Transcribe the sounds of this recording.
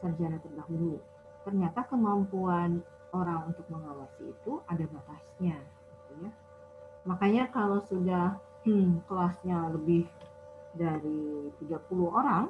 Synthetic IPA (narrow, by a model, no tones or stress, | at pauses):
sərd͡ʒanat̪ərdaɦulu | t̪ərɲat̪akəmampuan | oɾaŋunt̪ʊk̚məŋawasḭːt̪uʔadabat̪asɲa | ɡit̪uja | makaɲakalowsudah̩ | kəlasɲaləbɪh | daɾit̪iɡapuluhoɾaŋ